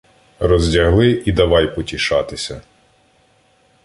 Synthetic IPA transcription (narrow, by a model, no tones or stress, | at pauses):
rɔzʲdʲɐɦlˠɪʔid̪ɐʋɑjpɔtʲiʃɑt̪ɪsʲɐ